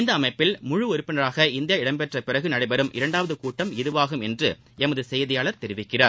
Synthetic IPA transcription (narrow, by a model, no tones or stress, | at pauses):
ɪnd̪ɐːmɐɪpːɪlmʊɻɯɔɾɪpːɪnɐɾaːɣɐɪnd̪ɪjaɪɽɐmpɛʈrɐpɪrɐɣɯnɐɽɐɪbɐɾɯmʔɪ̰ɾɐɳɖaːʋɐðɯkuːʈːɐmɪðɯʋaːɣɯmɛndrɯ | ʔɛmɐðɯsɛjɐðɪjaːɭɐɾt̪ɛɾɪʋɪkːɪra̰ːɾ